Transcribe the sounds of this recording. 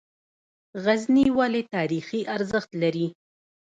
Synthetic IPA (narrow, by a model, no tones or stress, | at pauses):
ɣazniwalet̪ɑɾixiʔaɾzəxt̪laɾi